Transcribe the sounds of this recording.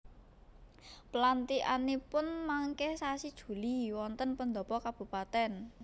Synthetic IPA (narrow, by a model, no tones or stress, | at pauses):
pəlant̪iʔa̰nepʊnmaŋkɛhsasid̥ʒ̥ṳliwɔnt̪ənpənd̪ɔ̤pɔkab̥ṳpat̪ɛn